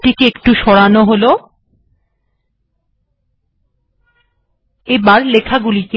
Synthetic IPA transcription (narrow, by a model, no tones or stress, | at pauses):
ʈikeekʈuʃɔɽanoɦolo | ebaɾlekʰaɡulik̪e